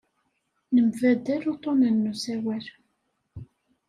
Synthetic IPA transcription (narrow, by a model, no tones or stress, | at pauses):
nəmvæd̪æɾut̪ˤonənːusæwæɾ